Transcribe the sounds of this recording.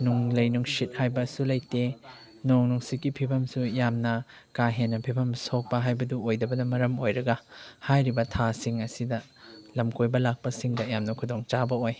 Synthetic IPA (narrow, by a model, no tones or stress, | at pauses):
nuŋlɐjnuŋsit̚hajbɐsulɐjte | noŋnuŋsikipʰibʰʱɐmsujamnɐ | kaɦenːɐpʰibʱɐmsok̚pɐɦajbɐduojdɐbɐnɐmɐɾɐmojɾɐɡɐhajɾibɐtʰasiŋɐsidɐlɐmkojbɐlak̚pɐsiŋdɐjamnɐkʰudoŋt͡ʃabɐoj